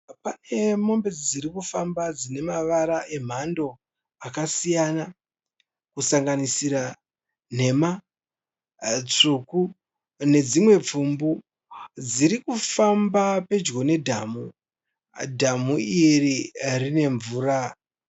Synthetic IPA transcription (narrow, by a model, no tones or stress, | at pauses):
pane̞mo̞mbe̞d͡ziɾikufambad͡zine̞maʋaɾaʔe̞m̤ando̞ | akasijana | kusaŋɡanisiɾa | ne̞ma | t͡suku | ne̞d͡zimwe̞p͡fumbu | d͡ziɾikufambape̞d͡ʒɡo̞ne̞dʱamu | dʱamuiririne̞ɱvuːɾa